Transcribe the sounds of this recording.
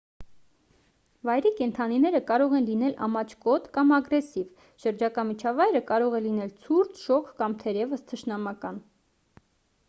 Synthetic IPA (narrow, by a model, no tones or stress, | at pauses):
vɑjɾikɛnt̪ʰɑninɛɾəkɑɾɔʁɛnlinɛlʔɑ̰mɑt͡ʃʰkɔt̪kɑmɑɡɾɛsiv | ʃəɾd͡ʒɑkɑmit͡ʃʰɑvɑjɾəkɑɾɔʁɛlinɛlt͡sʰuɾt͡sʰʃɔkʰkɑmt̪ʰɛɾjɛvəst̪ʰəʃnɑmɑkɑn